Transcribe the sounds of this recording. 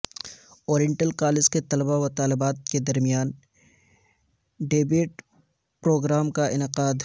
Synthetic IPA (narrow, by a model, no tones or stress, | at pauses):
oːɾjɪ̃ɳʈəlkaːlɪd͡ʒket̪ɐlbawat̪aːlɪbaːt̪̚ked̪ɐɾmijaːn | ɖeːbeːʈ | pɾoːɡɾaːmkaʔɪnɪqaːd̪